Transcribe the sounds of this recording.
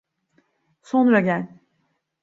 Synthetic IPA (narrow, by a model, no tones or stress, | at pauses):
sonɾaɟælʲ